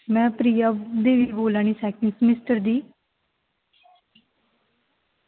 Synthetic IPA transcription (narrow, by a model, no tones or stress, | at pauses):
mɛ̃ːpɾiːaːd̪eːʋiːboːlaːɳ̃iːsɛːkɪŋsmɪsʈəɾd̪iː